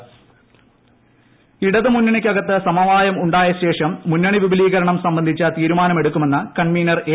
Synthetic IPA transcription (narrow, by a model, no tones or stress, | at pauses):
iɽɐðɨmunːɐɳikʲːɐɡɐt̪ːɨsɐmɐʋaːjɐmuɳɖaːjɐɕe̞ːʂɐmːunːɐɳiʋibɐliːɣɐɾɐɳɐmsɐmbɐnd̪ʱit͡ɕːɐt̪iːɾumaːnɐme̞ɽukːume̞nːɨkɐɳmiːnɐreː